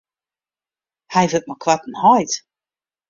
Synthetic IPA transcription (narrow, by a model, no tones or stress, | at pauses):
hajvət̚mɔkʰwatn̩hɔjt